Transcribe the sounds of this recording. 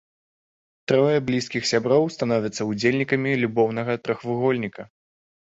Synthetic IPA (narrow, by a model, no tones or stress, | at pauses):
t̪ɾɔjɛblʲiskʲixsʲabɾɔwst̪anɔvʲɐt̪sːɐud͡zʲelʲnʲikɐmʲilʲubɔwnɐɣɐt̪ɾɐxvɨɣɔlʲnʲikɐ